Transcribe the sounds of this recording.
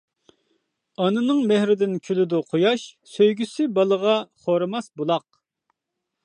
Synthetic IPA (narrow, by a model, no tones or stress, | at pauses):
ɑnɨnɨŋmɛhɾɪd̪ɪnkʲʰylɪd̪uqʰojɑʃsøjɡʲysɪbɑlˠəʁɑχoɾɨmɑsbulˠɑq̚